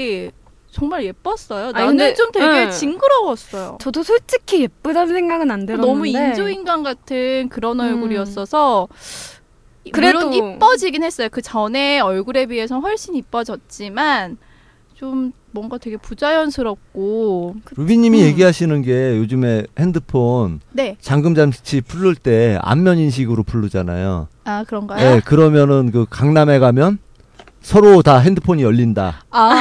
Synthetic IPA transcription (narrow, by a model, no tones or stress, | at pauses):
t͡ɕʌŋmaɭje̞p͈ʌs͈ʌjoanet͡ɕomtwe̞ɡe̞t͡ɕiŋɡɯɾʌwʌs͈ʌjo̰t͡ɕʌdosʰoɭt͡ɕ͈ikʰijep͈udansʰeŋɡaɡɯnandenʌmuind͡ʑoinɡanɡatʰɯnkɯɾʌnʌɭɡuɾiʌs͈ʌsʰʌ | kɯɾeɾoip͈ʌd͡ʑiɡinhe̞s͈ʌjokɯt͡ɕʌne̞ʌɭɡuɾe̞biesʰʌɸwʌɭɕ͈inip͈ʌd͡ʑʌt̚t͡ɕ͈iman | t͡ɕom | mwʌŋɡatwe̞ɡe̞pud͡ʑajʌnsʰɯɾʌk̚k͈oɾubiɲimije̞ɡiɦaɕʰinɯnɡe̞jod͡ʑɯme̞he̞ndɯpʰonnet͡ɕaŋɡɯmd͡ʑamt͡ɕʰipʰuɭːuɭt͈e̞a̰mːjʌɲinɕ̬ʰiɡɯɾopʰuɭːud͡ʑana̰jo̰akɯɾʌŋɡajjeo̞kɯɾʌmjʌnɯnkɯkaŋname̞ɡamjʌn | sʰʌɾotaɦe̞ndɯpʰoɲiʌʎːindaa